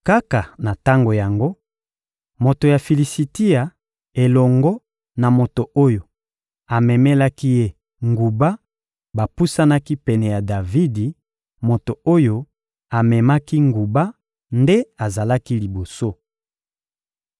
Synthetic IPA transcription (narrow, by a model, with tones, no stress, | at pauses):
ka˦ka˨na˨ta˦ŋɡo˨ja˨ŋɡo˦ | mo˨to˨ja˨fi˨li˨si˨ti˦a˨ | e˨lɔ˨ŋɡɔ˦ | na˨mo˨to˨o˦jo˨ | a˨mɛ˨mɛ˦la˦ki˦je˦ | ŋɡu˨ba˦ | ba˨pu˦sa˦na˦ki˦pɛ˨nɛ˨ja˨da˨vi˦di˨ | mo˨to˨o˦jo˨ | a˨mɛ˨ma˦ki˦ŋɡu˨ba˦ | nde˦a˨za˨la˦ki˦li˨bo˨so˦